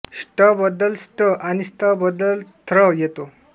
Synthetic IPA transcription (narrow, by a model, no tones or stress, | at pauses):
sʈəbəd̪ːəlsʈəʔañisʈəbəd̪ːəlt̪ʰɾəjet̪o